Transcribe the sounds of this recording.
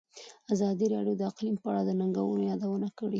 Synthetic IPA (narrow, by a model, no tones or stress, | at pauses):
azɑd̪iɾɑɽjod̪əaqlimpəaɽad̪ənaŋɡawənojɑd̪awənakəɽi